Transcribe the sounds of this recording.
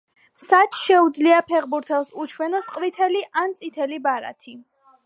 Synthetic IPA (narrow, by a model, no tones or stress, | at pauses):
sat͡ʃʰʃɛud̪zliapʰɛʁbuɾt̪ʰɛlˠsut͡ʃʰwɛnɔsqʼvit̪ʰɛliʔant̪sʼit̪ʰɛlibaɾa̰t̪ʰi